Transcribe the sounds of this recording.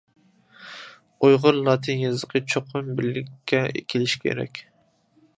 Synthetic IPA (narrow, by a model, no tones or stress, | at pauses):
ojʁʊɾlˠɑt̪ʰɨnjɨzɨqʰɨt͡ʃʰoqʰʊnbɪɾlɪkʲʰːɛḛkʲʰilɪʃkʲʰḛɾɛ̰kʲ